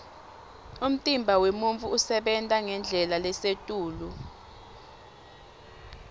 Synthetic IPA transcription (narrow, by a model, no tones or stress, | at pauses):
um̩tʼimbʱawemuɱfuːsɛɓɛntʼaŋɛnd͡ɮʱɛlalɛsetʼuːlu